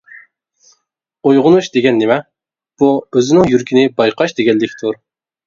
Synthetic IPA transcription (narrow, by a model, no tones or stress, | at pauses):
ojʁʊnuʃd̪eɡʲɛnːɪmɛ | b̥uøzɪnɪŋjyɾkʲʰinɪbɑjqʰɑʃd̪eɡʲɛnːɪkʲt̪ʰuɾ